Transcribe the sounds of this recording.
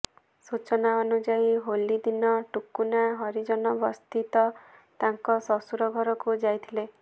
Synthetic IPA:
sut͡ʃɔnaɔnud͡ʒaiɦolid̪inɔʈukunaɦɔɾid͡ʒɔnɔbɔst̪it̪ɔt̪aŋkɔsɔsuɾɔɡʱɔɾɔkud͡ʒajt̪ʰile

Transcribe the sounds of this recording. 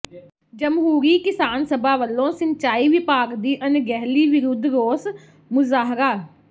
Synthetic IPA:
d͡ʒəmɦuːɾiːkɪsaːnsəbʱaːʋəlːõːsɪɲt͡ʃaːiːʋɪpaːkd̪iːʔənɡɛɦliːʋɪɾʊd̪ʱɾoːs | mʊzaːɦɾaː

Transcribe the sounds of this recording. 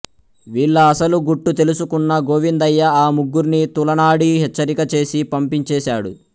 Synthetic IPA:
ʋiːɭːɐːsɐluɡuʈːut̪elusukunːɐɡoːʋind̪ɐjːɐaːmuɡːuɾnit̪ulɐnaːɽiɦɛt͡ʃːɐɾikɐt͡ʃe̞ːsipɐmpiɲt͡ʃɛːsaːɽṵ

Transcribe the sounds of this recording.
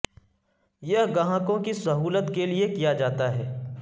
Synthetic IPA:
jɐɦɡɐɦãːkõkisɐɦuːlət̪keliekijad͡ʒaːt̪aɦɛː

